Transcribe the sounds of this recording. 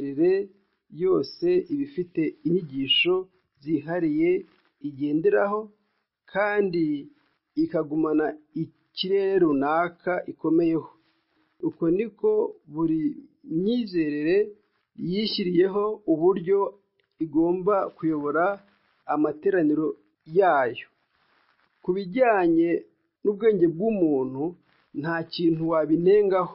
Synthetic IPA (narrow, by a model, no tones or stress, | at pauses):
ɾeɾe̞ | jo̞ːse̞iβifite̞iɲiɟiːʃo̞ | ziɦaɾije̞ | iɟe̞ːndeɾaho̞ | kʰaːndiː | kaɡumanai | ciɾe̞ɾeɾunaːkʰaʔiko̞me̞je̞ho̞̥ | uko̞niko̞βuɾiɲiːze̞ːɾeɾe̞ | jiʃiɾije̞ɦo̞uβuɾjo̞ | iɡo̞ːmbakujo̞βo̞ɾaː | mate̞ːɾaniɾo̞ | jaːjo̞ | kuβiɟaːɲe̞ | nuβɡe̞ːɲɟe̞b̚ɡuːmuːn̥u | n̥haciːn̥uwaβine̞ːŋɡaho̥